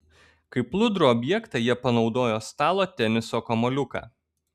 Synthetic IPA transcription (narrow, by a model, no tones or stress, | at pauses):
kɐɪplˠʊd̪ɾuɔbʲjɛkt̪ɑjiɛpɐnɒʊd̪oːjoːst̪ɑːlˠoːt̪ʲɛnʲɪsoːkɔmɔlʲʊkɑ̰ː